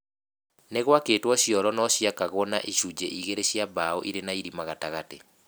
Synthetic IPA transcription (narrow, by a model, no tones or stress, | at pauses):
neɣwakeːtwɔɕjɔlɔnɔɕjakaɣɔna̰ʔiʃud͡ʒeʔiɣeɾeɕjabaoʔiɾenaiɾimaɣataɣate